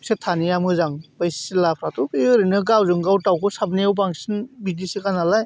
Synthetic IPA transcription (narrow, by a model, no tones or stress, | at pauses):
setʰanijamɯzaŋbajssilapʰɾatupiɯɾɯnɯɡawzɯŋɡawtawkʰɯsabniawbaŋsinbidisikanalaj